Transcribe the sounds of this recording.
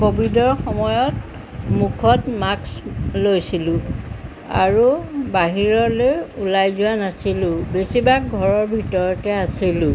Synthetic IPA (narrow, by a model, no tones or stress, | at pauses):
kobidɔɹxɔmɔjɔt | mukʰɔtmakslojsilʊ̃ | a̰ɹubaɦiɹɔlojulajzʊanasilʊ̃besibakɡʱɔɹɔɹbʱitɔɹɔtɛasilʊ̃